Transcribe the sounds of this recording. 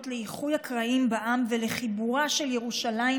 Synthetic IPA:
tleiχujakʁaimbaʔamvele̞χibuʁaʃe̞ljeʁuʃala

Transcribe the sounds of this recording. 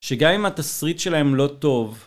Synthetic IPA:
ʃeɡamimat̪asʁit̪ʃe̞lahemlo̞t̪o̞v

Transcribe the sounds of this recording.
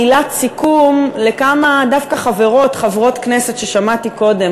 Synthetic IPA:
ilat̪sikumle̞kamadafkaχave̞ʁo̞tχavʁo̞tknese̞t̪ʃeʃamatiko̞de

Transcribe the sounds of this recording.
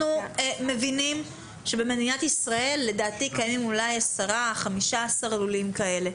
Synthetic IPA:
ueme̞vinim | ʃe̞bemedinatisʁae̞lːe̞daːtikajmimulajasaʁaχamiʃaasaʁalulimkae̞le̞

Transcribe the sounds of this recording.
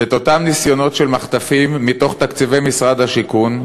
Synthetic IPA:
et̪o̞t̪amnisjo̞no̞t̪ʃelmaχt̪afimːit̪o̞χt̪akt͡sivejmisʁad̪haʃikun

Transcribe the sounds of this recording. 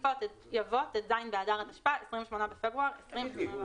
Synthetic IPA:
vɔtɛt | javɔtɛtzajnbeadaʁataʃpaesʁimvʃmonabɪfɛbʁuaʁesʁimʃmo

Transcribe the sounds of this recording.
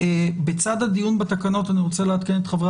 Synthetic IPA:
bet͡sad̪had̪ijunbat̪akano̞taniʁo̞t͡seleat̪kenet̪χavʁa

